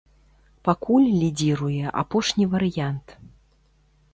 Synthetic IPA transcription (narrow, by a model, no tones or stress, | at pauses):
pakulʲlʲid͡zʲiɾujɛʔa̰pɔʂnʲivɐɾɨjant̪